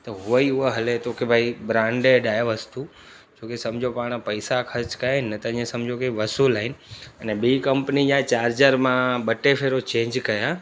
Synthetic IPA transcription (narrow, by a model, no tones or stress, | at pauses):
t̪ɐɦʊəiʊəɦɐlet̪ʰoːkebʱaːibɾãːɳɖeɖaːjəʋɐst̪u | d͡ʑoːkesɐmd͡ʑʱopaːɽ̃pɐisakʰɐɾt͡ɕkɐjaːɦɪnːt̪ɐɲẽsɐmd͡ʑʱokeʋɐsuːlaːɦɪnɪ̆ɐnɛbiikɐmpnijãt͡ɕaːɾd͡ʑəɾmãɓɐʈefʰeːɾot͡ɕẽːɲd͡ʑkɐja